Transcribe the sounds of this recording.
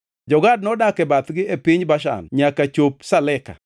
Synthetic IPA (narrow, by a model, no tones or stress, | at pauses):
d͡ʒɔɡad̚nɔdakɛbat̪ɡɪepɪɲbaʃa̰nɲakat͡ʃop̚salɛka̰